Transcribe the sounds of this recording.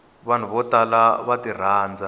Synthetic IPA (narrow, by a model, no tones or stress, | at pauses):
βan̤uβɔtalaβatir̤aːnd͡za